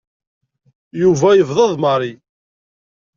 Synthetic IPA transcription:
juvæjəvðˤɑðˤməɾˤi

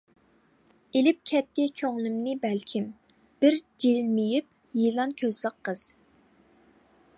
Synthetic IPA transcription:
elɪp̚kʲʰɛt̪ʰːɪkʲʰøŋlˠɪmnɪbɛlkʲʰim | b̥ɪɾd͡ʒilmijip̚ | jilˠɑnkʲʰøzləqʰːəz̥

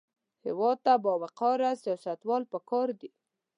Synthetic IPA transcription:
hɪ̰wɑd̪̚t̪abɑwaqɑɾasijɑsat̪wɑlpəkɑɾd̪i

